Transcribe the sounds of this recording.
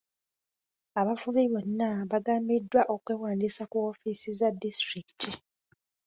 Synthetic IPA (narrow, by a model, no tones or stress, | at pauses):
aβafuβiβo̞nːaβaɡaːmbidːwaʔo̞kweːwaːndisakuofisizadːistɾiki̥tʰi